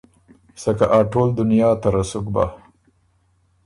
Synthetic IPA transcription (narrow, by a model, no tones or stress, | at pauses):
sakaʔaʈoːld̪ʊnjɑːt̪aɾasʊkba̰